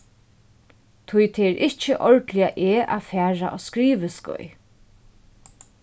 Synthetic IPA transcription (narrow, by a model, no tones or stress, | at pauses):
t̪ʰujt̪ʰɛɛɾʔɪht͡ʃɪʔɔɹt̪lɪjaʔeːʔa̰fæːɹaʔɔ̰skɾiːʋɪskʊ̰j